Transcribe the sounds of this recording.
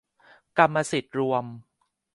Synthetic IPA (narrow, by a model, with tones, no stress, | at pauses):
ka˧mːa˧si˨˩t̪̚ɾu˧əm